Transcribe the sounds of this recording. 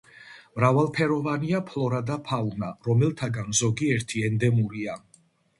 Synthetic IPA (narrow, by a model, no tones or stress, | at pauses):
mɾavalˠpʰɛɾɔvaniapʰlˠɔɾad̪apʰaunaɾɔmɛlˠt̪ʰaɡanzɔɡiɛɾt̪ʰiɛnd̪ɛmuɾia